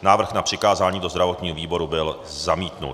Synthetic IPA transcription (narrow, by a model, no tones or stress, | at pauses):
naːvr̩xnapr̝̥ɪkaːzaːɲiːdo̞zd̪ɾavo̞t̪ɲiːɦoviːbo̞ɾubɪl | zamiːt̪nṵt